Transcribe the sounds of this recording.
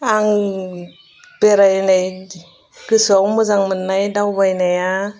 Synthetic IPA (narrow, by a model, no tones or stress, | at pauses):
aŋ | b̥eɾajnaj | kɯsawmɯzaŋmɯnːajdawbajnaja